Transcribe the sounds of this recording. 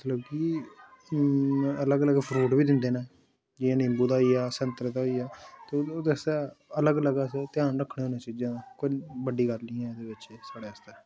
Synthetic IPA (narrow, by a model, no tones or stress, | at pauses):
mət̪ləbkiː | ələɡələɡpʰɾuːʈbiːd̪ɪnd̪eːnɛ̃ː | d͡ʒiãːnɪmbuːd̪aːiːaːsənt̪ɾəd̪aːɦoiːaːt̪od̪esaːələɡləɡaːset̪ɪjaːnɾəkʰːɽ̃eːɦoːnãːt͡ʃiːd͡ʒãːkoːibəɖiːɡəlnĩːɛːd̪eːbɪt͡ʃːsaːɽeːəst̪eː